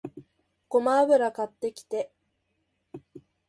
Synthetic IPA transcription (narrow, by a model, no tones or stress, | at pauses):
ko̞maːβɯ̟ɾakat̪ːe̞kʲi̥t̪e̞